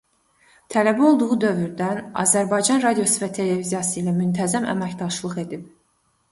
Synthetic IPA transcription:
t̪ʰælæbio̞lˠd̪uʁud̪ø̞vyɾd̪ænɑ̰zæɾbɑjd͡ʒɑnɾɑd̪ijo̞sɯvæt̪ʰe̞le̞vizijɑsɯilæmynt̪ʰæzæmæ̰mæçd̪ɑʃlˠɯχe̞d̪ip̚

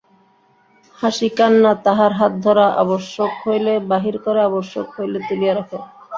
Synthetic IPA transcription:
haʃikanːat̪aɦaɾɦat̪̚d̪ʱɔɾaʔa̰boʃːokhojlebaɦiɾkoɾeaboʃːo̰khojlet̪ulijaɾɔkʰe

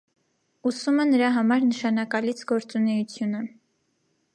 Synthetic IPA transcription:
usumɛnəɾɑɦɑmɑɾnəʃɑnɑkɑlit͡sʰɡɔɾt͡sunɛjut͡sʰjunə

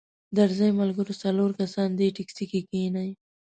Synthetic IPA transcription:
d̪aɾzajmalɡəɾosaloɾkasɑnd̪eʈɪksikekenaj

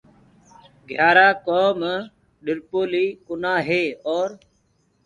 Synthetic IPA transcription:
ɡʱjaːɾaːkoːm | ɗɪɾpoːliːkʊnaːɦeːɔːɾ

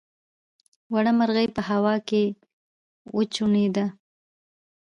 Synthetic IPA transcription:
waɽamaɾɣəjpəhawɑke | wət͡ʃuɳed̪a

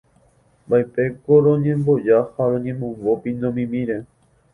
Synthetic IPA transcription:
baepekoɾõɲẽmbod͡ʒahaɾõɲẽmõmbopĩnd̪õmĩmĩɾe

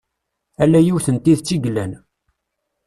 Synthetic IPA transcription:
ælːæjiwθənt̪iðt͡sːiɡlːæn

